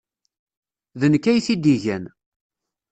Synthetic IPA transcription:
ðənkːæjθid̪iʝæn

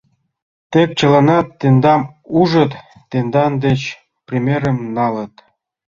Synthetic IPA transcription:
t̪ek̚t͡ɕɤ̆lɑnɑt̪ːend̪ɑmuʒɤ̆t̪ː | end̪ɑnd̪et͡ɕ | prʲimʲeɾə̆mnɑlɤ̆t̪

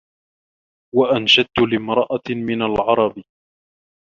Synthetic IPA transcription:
waʔanʃad̪̚t̪ʊlɪmɾˤɑʔamɪnalʕɑɾˤɑb

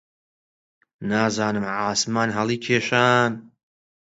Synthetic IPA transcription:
naːzaːnɨmʕaːsmaːnɦɐlˠiːkʰeːʃaːn

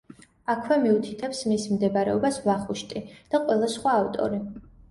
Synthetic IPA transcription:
akʰwɛmiut̪ʰit̪ʰɛpsmismd̪ɛbaɾɛ̰ɔbasvlˠaχuʃt̪ʼid̪̥aqʼwɛlˠasχwaːvt̪ʼɔ̰ɾi

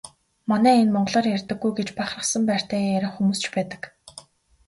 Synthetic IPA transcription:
manæːenmɔɴɢ̆ɮɔːrjærʲt̪ə̆ɡːujɡet͡ɕpaχrə̆χsə̆mpæːr̥ʲt̪ʰæːæɾʲɪ̆χxumuːst͡ɕpæːt̪ə̥̆k

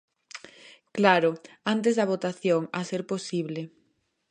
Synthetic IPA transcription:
klaɾʊ | ant̪ezðɐβ̞ot̪aθjoŋaseɾposiβle

